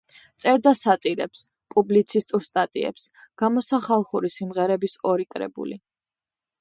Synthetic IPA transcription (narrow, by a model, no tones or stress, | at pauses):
t̪sʼɛɾd̪asat̪ʼiɾɛps | pʼublit̪sʰist̪ʼuɾst̪ʼat̪ʼḭɛ̰psɡ̥amɔsaχalˠχuɾisimʁɛɾɛbisɔɾikʼɾɛ̰bṵli